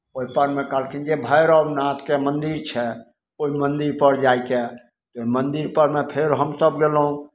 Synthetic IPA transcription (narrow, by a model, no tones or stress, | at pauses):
oipəɾmekalkind͡ʒebʱəjɾəbnat̪kemənd̪iɾt͡ʃʰɛ | oimənd̪iɾpəɾd͡ʒajke | t̪oimənd̪iɾpəɾmepʰeɾɦəmsəbɡelɦũ